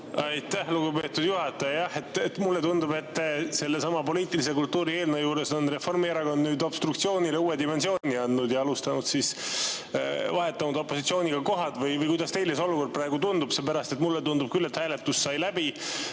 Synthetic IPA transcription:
ɑjt̪ːæhluɡ̥upe̞ːt̪ːud̪̥juɦɑt̪ːˑɑjɑjɑhe̞t̪ːet̪mulːe̞t̪und̪ube̞t̪ːse̞lːe̞sɑmɑpo̞liːt̪ːˑilise̞kult̪ːuːɾie̞ːlnejuːɾe̞sonre̞fo̞rmieɾɑɡo̞nd̪nyːd̪o̞b̥st̪ɾuk̚t̪sio̞ːnileuːe̞d̪ime̞nsio̞ːniɑnːud̪jɑɑlust̪ɑnud̪sis | vɑɦe̞t̪ːˑɑnmud̪o̞pːˑo̞sit̪sio̞ːniɡ̥ɑko̞ɦɑt̪vɯjvɯjkujd̪ɑst̪e̞jleso̞luko̞rd̪̚prɑeɡ̥ut̪und̪ub̥sepæɾɑst̪e̞t̪mulːet̪und̪ub̥̚kylːe̞t̪hæːlet̪ːussɑjlæbi

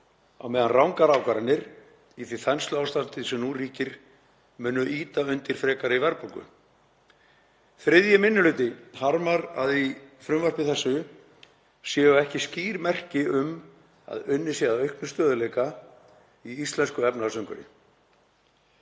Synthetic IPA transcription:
a̰wmɛːðanrawŋkaɾawkaɾanːɪɾ | iθviθɛnslʏawst̪ant̪ɪsɛmnuriːcɪɾ̥ | mʏːnːʏʔiːt̪aʏnt̪ɪɾ̥fɾɛːkaɾɪivɛɾpaŋkʏ̰ | θɾɪðjɪmɪnːʏlʏːt̪ɪhaɾmaɾa̰ðifɾʏmvar̥pɪθɛsːʏ | sjɛːʏɛhcɪsciːɾmɛr̥cɪʏm | a̰ðʏnːɪsɛðaœɥhknʏst̪œːðʏlejka | iist̪lɛnskʏɛpnaðsœɥŋkʏɾɪ̰

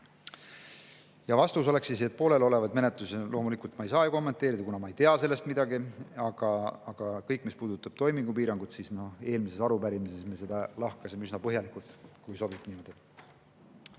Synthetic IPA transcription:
jɑvɑst̪uso̞le̞ksise̞t̪̚po̞ːle̞lo̞le̞vɑd̪̥me̞ne̞t̪ˑlusilʔo̞ːmulikˑult̪mɑejsɑːjuko̞mːent̪ːˑe̞ːɾid̪̥ɑkunɑmɑe̞jt̪e̞ɑse̞lːe̞st̪mid̪ɑɡiɑɡ̥ɑɑɡ̥ɑkɤjkːˑmispuːd̪̥ut̪ːˑɑb̥̚t̪o̞jmiŋɡ̥upiːɾɑŋɡ̥ut̪sisnoe̞ːlmise̞sɑɾupæɾimise̞smese̞d̪ɑlɑhkɑsimeysnɑpɤɦjɑlikult̪kujso̞b̥ib̥niːmo̞d̪i

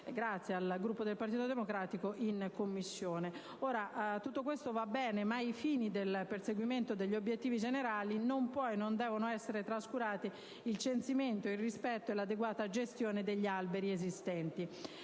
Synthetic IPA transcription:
ɡɾat̪sːjealɡɾupːod̪elpaɾt̪it̪od̪emokɾaːt̪ikoʔinkomːisːjoːne | oːɾaʔt̪ut̪ːokwest̪ovabːɛːnemaifiːnid̪elperseɡwiment̪od̪eʎːobːjet̪ːiːvid͡ʒeneɾaːlinompɔjnond̪ɛːvonoɛsːeɾet̪ɾaskuɾaːt̪i | ilt͡ʃensiment̪oilrispɛt̪ːoelːad̪eɡwaːt̪ad͡ʒest̪joːned̪eʎːialbeɾiezist̪ɛnt̪i

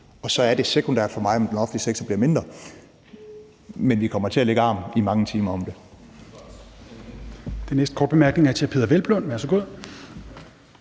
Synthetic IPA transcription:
ɒ̽sɒ̽æɐɾ̥e̝sekʰond̥æɐ̥fɒ̽mɑ̈ɪɒ̽md̥enɒfn̩dliseɡ̥sɐb̥liɐme̝nd̥ʁɐ | menʋikʰɒ̽m̰ɐt͡sʰe̝æle̝ɡ̥əɑ̈ːmimɑ̈ŋət͡sʰiːmɐɒ̽md̥e̝ | d̥enesd̥əkʰɒ̰ːd̥bemæɐɡ̥ne̝ŋæɐt͡sʰe̝pʰe̝ːðˠɐʋelb̥lɔnʋæɐsɒɡo̝ð̰ˠ

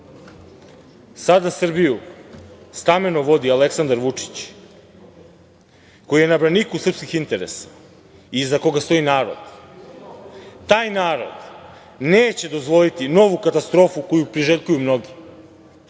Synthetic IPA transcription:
sad̪asr̩biju | st̪amenoʋo̞d̪ialeksand̪aɾʋut͡ʂi̥t͡ɕ | ko̞jije̞nabɾanikusr̩pskixint̪e̞ɾesḁ | izako̞ɡast̪o̞inaːɾod̪̥ | t̪aːjnaːɾo̞̰d̪ | neːt͡ɕe̞d̪o̞zʋo̞lit̪ino̞ʋukat̪ast̪ɾo̞ːfuko̞jupɾiʒeʎkujumno̞ɡi

